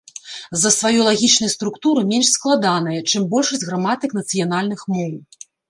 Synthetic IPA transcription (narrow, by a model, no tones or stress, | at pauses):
zɐsvajulˠaɣʲit͡ʂnɐjɐst̪ɾukt̪uɾɨmʲɛnʲʂsklˠad̪anɐjɐt͡ʂɨmbɔlʲʂɐsʲɣɾamat̪ɨknɐt̪sɨjanalʲnɨxmɔw